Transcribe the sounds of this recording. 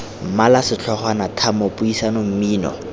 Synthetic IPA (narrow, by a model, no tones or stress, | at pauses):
m̩malasɪt͡ɬʰɔχwanatʰamopʊisanom̩miːnɔ̰